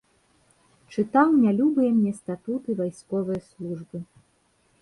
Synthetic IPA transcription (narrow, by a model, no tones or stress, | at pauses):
t͡ʂɨt̪awnʲalʲubɨjɛmnʲɛst̪at̪ut̪ɨvajskɔvɨjɐslˠuʐbɨ